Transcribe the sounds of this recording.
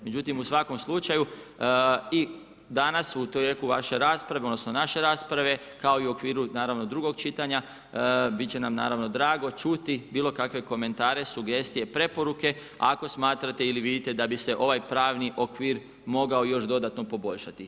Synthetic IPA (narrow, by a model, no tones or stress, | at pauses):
me̞d͡ʒut̪imusʋako̞mslˠut͡ʃaju | i | d̪anasut̪jekuʋa̰ʃe̞ɾaːspɾaʋeo̞d̪nosno̞naʃe̞ɾaːspɾaʋe̞ | kao̞iuo̞kʋiːɾunaːɾaʋno̞d̪ɾuɡo̞ɡt͡ʃit̪aɲa | bit̪t͡ɕe̞namna̰ːɾaʋno̞d̪ɾaːɡo̞t͡ʃut̪ibiːlo̞kakʋe̞ko̞me̞nt̪aːɾe̞suɡe̞st̪ijepɾe̞po̞ɾuke̞ | ako̞smaːt̪ɾat̪e̞iliʋid̪it̪e̞d̪abise̞ʔo̞ʋajpɾaːʋniʔokʋiːɾ | mo̞ɡao̞jo̞ʃd̪o̞d̪at̪no̞po̞bo̞ʎʃat̪i